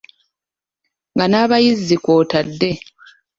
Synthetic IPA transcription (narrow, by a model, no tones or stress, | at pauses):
ŋɡanaːβajizːiko̞ːtadːe̞